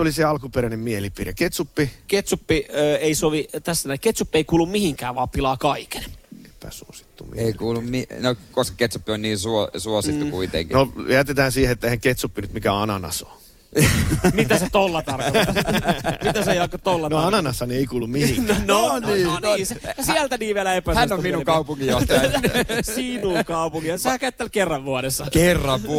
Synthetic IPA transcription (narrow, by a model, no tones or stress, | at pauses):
oliseɑlkupeɾænemmielipireket̪supːiket̪supːiøeisoʋit̪æsːænæiket̪supːieikuːlːummihiŋkæːʋɑːppilɑːkɑike̥ne̥pæ̰suosi̥t̪ːṵmḭeikuːlːumminokoskɑ̥ket̪supːionniːsuosuosit̪ːukuit̪ḛŋkinojæt̪et̪æːnsiːheet̪ːehæŋket̪supːinyt̪mikæɑnɑnɑ̰so | mit̪æset̪olːɑt̪ɑrkoɑit̪æsejɑkːott̪olːɑnoɑnɑnɑsːɑnieikuːlːummiiŋnoniːniːsesiælt̪æniːʋʋiælæepæsænnːomminukɑupuŋkijost̪ | sinukɑupuŋkiɑsehækæyt̪ːælkerːɑʋʋuɑɾesːɑkerːɑʋʋu